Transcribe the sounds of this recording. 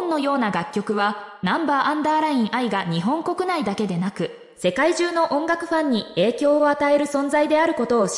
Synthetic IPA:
nːo̞jo̞ːnaɡakʲːo̞kɯ̟βanãmbaːʔãnd̪aːɾaĩɰ̃ʔaiɡaɲ̟iɦõ̞ŋko̞kɯ̟naid̪ake̞d̪e̞nakɯ̟ | se̞kaiʑɨːno̞ʔõ̞ŋɡakɯ̟ɸãɲ̟ːie̞ːkʲo̞ːat̪ae̞ɾɯ̟sõ̞nzaid̪e̞aɾɯ̟ko̞t̪o̞ː

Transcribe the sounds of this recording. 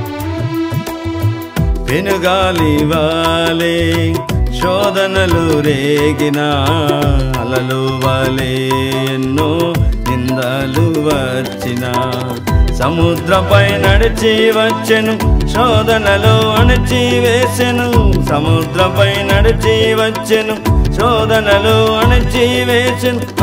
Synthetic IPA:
ʋenuɡaːliʋaːle | ʃɔːd̪ɐnɐluɾeːɡinɐ | ɐlɐloːʋaːleː | nːoːɦind̪ɐ | luʋɐ | t͡ʃːinɐ | sɐmud̪ɾɐpɐjnɐɽit͡ʃiʋɐt͡ʃːenuʃɔːd̪ɐnɐloːɐɳit͡ʃiʋeːsenusɐmud̪ɾɐpɐjnɐɽit͡ʃiʋɐt͡ʃːenuʃɔːd̪ɐnɐloɐɳit͡ʃiʋeːt͡ʃen

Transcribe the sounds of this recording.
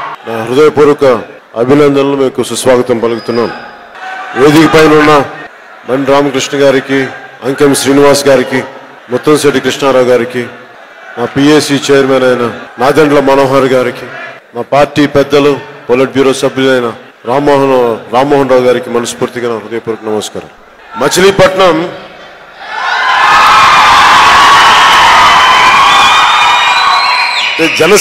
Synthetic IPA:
naːɦɾud̪ɐjɐpuːɾukɐ | ɐbʱinɐnd̪ʱɐnloːmeːmkesusʋaːɡɐt̪ɐmpɐluɡut̪unːaːnu | ʋeːd̪ikɐpɐjnunːɐ | mɐɳɖɾaːmɐkɾiʂɳɐɡaːɾikiɐŋkɐmʃɾiːniʋaːsɡaːɾiki | mɔt̪ːɐmseʈikɾiʂɳaːɾaːwɡaːɾiki | naːpiːeːsit͡ʃeːjɐɾmeːnɐjnɐnaːd̪eɳɖlɐmɐnoːɦaːɾɡaːɾiki | maːpaːɾʈːiːpɛd̪ːɐlupolɐʈ̚bjuːɾo̞ːsɐblulɐjnɐ | ɾaːmoːɦɐnɾaːmoːɦɐnɾaːwɡaːɾikimɐnɐspuːɾt̪iɡɐnɐɾud̪ɐjɐpuɾɐknɐmɐska̰ɾa̰l | mɐt͡ʃiliːpɐʈɳɐm | ed͡ʒɛnɐ

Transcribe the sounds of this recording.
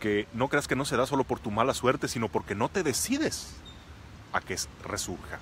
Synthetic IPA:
keno̞kɾe̞aske̞no̞se̞ðaso̞lopo̞ɾt̪umalaswe̞ɾt̪e̞sino̞po̞ɾke̞no̞t̪e̞ðe̞siðe̞s | akesresuɾxa̰

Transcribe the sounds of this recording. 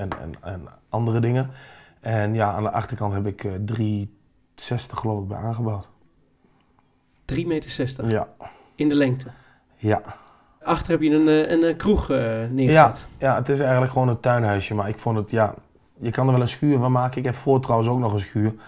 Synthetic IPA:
ɛnɛ̰nɛ̰nʔɑndərədɪŋəɛnjaa̰ːndəʔɑxtərkɑntɦɛp̬ɪkʰdri | sɛstəχːəloːfɪɡ̚bɛ̰jʔaːnɣəbɔwt | d̥rimeːtəsɛstəja̰ | ɪndəlɛŋk̚tʰə | ja | ʔɑxtərhɛpjəənənkruxnɪːjatjaətɪs̬ɛjɣəntləkxʋoːnətœɥnɦœɥsjəmaɹɪkfʊndətja | jəkɑndərɹʋɛlˠənskyːvɔnmaːkəɪkɦɛpfoːtrɔwənsoːknɔχənskyər

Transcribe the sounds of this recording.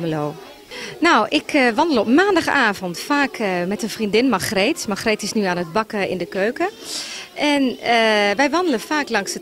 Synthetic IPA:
məloː | nawʔɪkʰʋɑndəlˠɔpmaːndɑxaːvɔntfaːkmɛtənfrindɪnmaxreːtmaxretɪsnyaːnət̚bɑkəɪ̰ndəkøːkə | ʔɛnəʋɛjʋɑndələfaːklɑŋsət

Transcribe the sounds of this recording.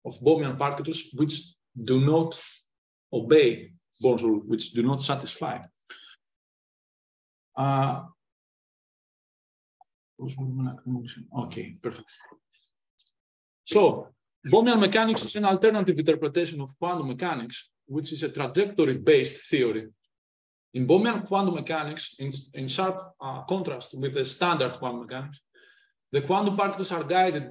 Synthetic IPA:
ofbomiɐ̃npaɾt̪ikəlˠswit͡ʃ | d̪unot̪ | obej | bonsolwit͡ʃd̪unot̪sat̪isfa̰j | posbom̃naknoʃnokʰḛpɛɾfek̚t̪ | so | bomiãnmekaniksisɐ̃nalt̪eɾnat̪ivĩnt̪ɛɾpɾet̪eʃõnov̥kwãnd̪umekaniks | wit͡ʃizet̪ɾad͡ʒekt̪oɾibest̪θioɾi | ĩnbomiãnkwãnd̪umekaniksĩnĩnsaɾpkõnt̪ɾɐst̪wiðest̪ãnd̪ɐɾd̪̚kwãnd̪mekaniks | ðekwãnd̪upaɾt̪i̥kl̩saɾɡajd̪id̪̚

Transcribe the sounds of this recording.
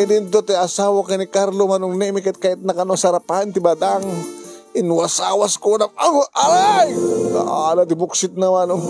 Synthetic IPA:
ed̪ɪnt̪ot̪iɐsawakanikaɾlomanoŋnɛmɪkat̪̚kaːjɪt̪̚nɐkɐnoŋsɐɾaphant̪ɪbad̪aŋɪnwasawaskonɐŋaaɾajd̪a̰ʔalat̪ɪbʊksɪt̪̚nɐmanoŋ

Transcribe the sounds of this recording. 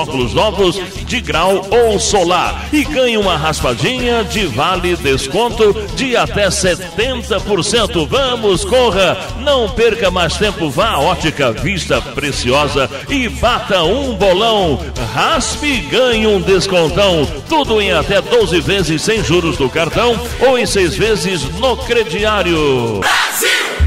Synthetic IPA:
ɔkʊlʊznɔvʊs | d͡ʒɪɡɾawowsola̰ɾ | ɪɡɐ̃ɲũmɐɦaspad͡ʒĩɲɐd͡ʒɪvalɪd̪eskõnt̪ʊd͡ʒɪat̪ɛset̪ẽnt̪ɐpoɾsẽnt̪ʊvɐ̃mʊskoɦɐ | nɐ̃w̃peɾkɐmajst̪ẽmpʊvaɔt͡ʃikɐvist̪ɐpɾesiɔzɐ | ɪbat̪ɐũbolɐ̃w̃ | haspɪɡɐ̃ɲũd̪eskõnt̪ɐ̃w̃ | t̪ud̪ʊẽj̃at̪ɛd̪ozɪvezɪsːẽj̃ʒuɾʊzd̪ʊkaɾt̪ɐ̃w̃ | owẽj̃sejzvezɪznʊkɾed͡ʒiaɾjʊ

